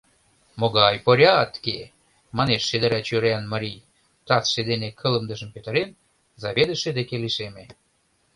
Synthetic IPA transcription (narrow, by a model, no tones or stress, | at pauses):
moɣɑjpoɾʲɑt̪ke | mɑneʃːed̪əɾæt͡ɕøɾeɑnmɑɾʲij | t̪ɑt͡sʃed̪enekʰə̆lə̆md̪ə̆ʒəmpøt̪ə̆ɾen | zɑβed̪ə̆ʃed̪ekeliʃeme